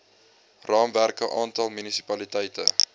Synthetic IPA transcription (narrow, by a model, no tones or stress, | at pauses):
rɑːmværkəʔɑːntɐlˠmynisipɐlitɛjtə̰